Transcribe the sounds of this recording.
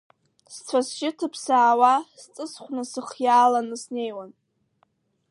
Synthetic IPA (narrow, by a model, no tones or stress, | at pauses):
st͡sʷʰasʃɪtʰɨpʰsaːwast͡sʼɨsχʷnasɨχjaːlanɨsne̞jwan